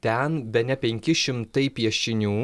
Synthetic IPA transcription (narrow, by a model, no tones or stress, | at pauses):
t̪ʲɛnbʲɛnʲɛpʲɛŋʲkʲɪʃʲɪmt̪ɐɪpʲiɛʃʲɪnʲuː